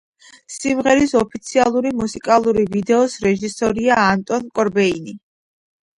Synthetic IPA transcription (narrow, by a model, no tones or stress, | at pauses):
simʁɛɾisɔpʰit̪sʰialˠuɾimusikʼalˠuɾivid̪ɛɔsɾɛʒisɔɾiaːnt̪ʼɔnkʼɔɾbɛini